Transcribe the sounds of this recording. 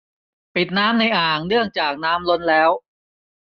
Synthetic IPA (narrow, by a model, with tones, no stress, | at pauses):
pi˨˩t̪̚naː˦˥mna˧jʔaː˨˩ŋnɯ˥˩əŋt͡ɕaː˨˩k̚naː˦˥mlo˧˥nlɛː˦˥w